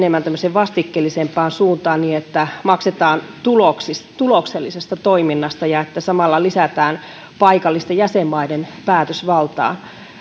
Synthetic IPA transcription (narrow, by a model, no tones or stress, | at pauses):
nemːænt̪æmːøseʋʋɑst̪ikːelːisempːˑɑːnsuːnt̪ɑːnniːet̪ːæmɑkset̪ɑːnt̪uloksist̪t̪ulokselːisest̪ɑt̪oiminːɑst̪ɑjɑet̪ːæsɑmɑlːɑlisæt̪æːn | pɑikɑlːist̪ɑjæsemːɑidenpæːt̪øsʋɑlt̪ɑ̰ːn